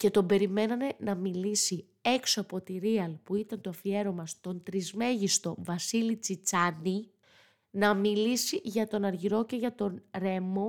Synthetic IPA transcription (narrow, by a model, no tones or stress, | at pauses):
ce̞t̪o̞be̞ɾime̞nɐne̞nɐmilisi | e̞ksoɐpo̞t̪iɾiɐlpuit̪ɐnt̪o̞ɐfie̞ɾo̞mɐst̪o̞nt̪ɾizme̞ʝist̪o̞vɐsilit͡sit͡sɐni | nɐmilisiʝɐt̪o̞nɐɾʝiɾo̞ce̞ʝɐt̪o̞nɾe̞mo̞